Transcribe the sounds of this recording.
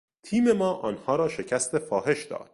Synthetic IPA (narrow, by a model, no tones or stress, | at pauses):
t̪ʰiːme̞mɒːʔɒːnhɒːɾɒːʃe̞cʰæst̪e̞fɒːɦe̞ʃd̪ɒ̰ːd̪̥̚